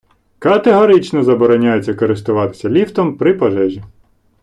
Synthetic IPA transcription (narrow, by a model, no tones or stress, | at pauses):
kɐt̪eɦɔɾɪt͡ʃnɔzɐbɔɾɔnʲajet͡sʲːɐkɔɾɪst̪ʊʋɑt̪ɪ̥sʲɐlʲiwt̪ɔmpɾɪpɐʒɛʒʲi